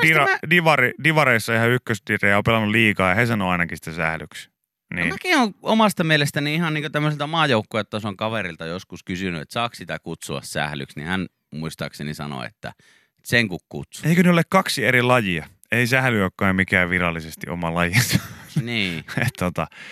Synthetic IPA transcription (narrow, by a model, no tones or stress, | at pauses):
d̥irɑdiʋɑridiʋɑɾeisːɑehæykːøst̪irejɑopelɑnːuliːkɑːjɑhesɑnoɑinɑkisi̥t̪æsæhlyks | niːmækioŋomɑst̪ɑmielest̪æniihɑnniːŋkot̪æmːøselt̪æmɑːjoˑukːoˑjot̪ːæosoŋkɑʋerilt̪ɑjoskuskysynyḛt̪sɑːkssit̪ækut̪suɑ̰ssæ̰hly̰ksnḭhæn | muist̪ɑ̰ːksenisɑ̰no̰ḛt̪ːæ̰ | eseŋkukkṵt̪sueikøneolekkɑksieɾilɑjiɑ | eisæhlyøkːɑːmikæːʋʋirɑlːˑisest̪ḭʔo̰mɑlɑjisɑniːet̪t̪ːot̪ɑ